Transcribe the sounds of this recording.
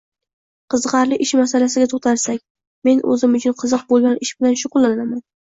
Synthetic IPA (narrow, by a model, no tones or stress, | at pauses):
qʰɨzqɑɾlɪʔɪʃmasalasɪɡʲat̪ʰoχt̪ʰaɾsak̚ʲ | me̞nɵ̰zɪmʊt͡ʃʰʊnqʰɨzɨq̚bolˠɡʲanɪʃbɪlanʃʊqʊlˠːanaman